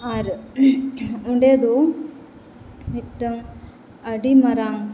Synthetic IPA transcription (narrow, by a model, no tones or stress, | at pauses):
aɾ | uɳɖeːd̪u | mitːɐŋ | ɐɖimɐɾaŋ